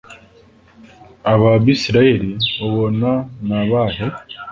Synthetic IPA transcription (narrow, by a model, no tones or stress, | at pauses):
aβaβisiɾaje̞ɾioβonanaβaːɦe